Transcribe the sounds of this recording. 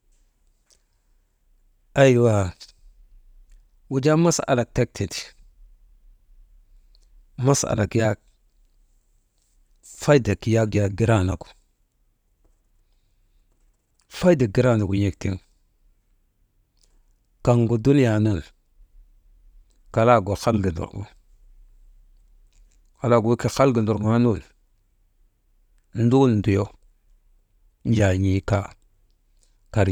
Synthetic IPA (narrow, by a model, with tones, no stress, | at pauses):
a˦ji˦˨wa˨ | wu˨d͡ʒa˦ma˦sa̰˨la˨k̚te˦k̚tʰi˨ti˨ | ma˦sa̰˨la˨ki˦ja˦ | fa˦i˦da˨ki˨˦ja˦ɡja˨ɡi˦ɾa˦˨na˨ku̥˨ | fa˦i˦da˨ɡi˦ɾa˦˨da˨ku˨je˨kti˦ŋ | ka˨ŋɡu˨du˦n˦a˨nu˦˨l | ka˨la˦ɡo˨xa˦lɡi˨ndo̰˨ɾɡṵ˨ | ka˨la˦ɡu˨wki˨xa˦lɡi˨ndo˨ɾɡu˨a˦nu˦˨l | n̩˦du˦ln̩˨du˨jo˦ | n˦d͡ʒa˨ɲi˨˦ka˦ | ka˨ɾ